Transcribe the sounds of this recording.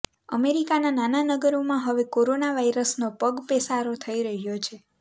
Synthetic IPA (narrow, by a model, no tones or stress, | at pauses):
ə̰meɾikananananəɡəɾomãɦəʋekoɾonaʋaiɾəsnopəɡpɛsaɾot̪ʰəiɾəɦjot͡ʃʰe